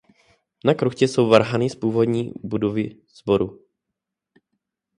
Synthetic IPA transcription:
nakɾuxcɛso̞wvaɾɦanɪspuːvo̞dɲiːbudovɪ | z̥bo̞ɾu

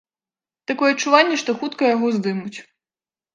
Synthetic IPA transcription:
t̪akɔjɛɐt͡ʂːuvanʲːɛʂt̪ɔxut̪kɐjaɣɔzd̪ɨmut͡sʲ

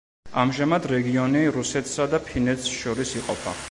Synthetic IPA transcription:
amʒamad̪ɾɛɡiɔniɾusɛt̪ʰsad̪apʰinɛt̪sʃɔɾisiqʼɔpʰa̰

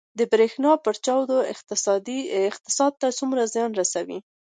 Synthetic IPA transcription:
d̪əbɾexnɑpəɾt͡ʃɑwd̪oɪ̰qt̪ɪsɑd̪iɪqt̪ɪ̥sɑd̪̚t̪at͡sumɾazjɑnɾasawḭ

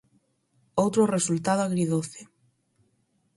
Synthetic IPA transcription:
owt̪ɾʊresult̪aðʊaɣɾiðoθɪ

